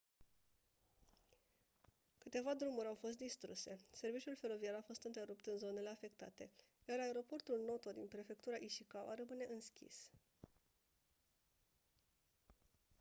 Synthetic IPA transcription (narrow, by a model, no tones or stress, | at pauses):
kɨt̪e̞vad̪ɾumuɾʲawfo̞st̪̚d̪ist̪ɾuse̞se̞rvit͡ʃiulfe̞ɾo̞vieɾafo̞st̪ɨnt̪ɾeɾupt̪ɨnzo̞ne̞le̞afe̞k̚t̪at̪e̞ | jaraeɾo̞po̞rt̪ulno̞t̪od̪inpɾe̞fe̞k̚t̪uɾaʔiʃikawaɾəmɨne̞ʔɨnskʲḭs